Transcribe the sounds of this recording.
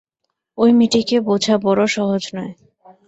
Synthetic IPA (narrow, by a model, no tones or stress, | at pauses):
ojmiʈikebod͡ʑʱabɔɾoʃɔɦod͡ʑnɔe